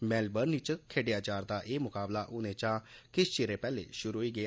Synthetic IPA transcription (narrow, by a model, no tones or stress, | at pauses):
mɛːlbəɾnit͡ʃkʰeːɖɪjaːt͡ʃaːɾd̪aːʔeːmʊkaːblaːʔʊnẽːt͡ʃãːkɪst͡ʃeːɾeːpɛːlḛːʃʊɾuɦoiːɡɪa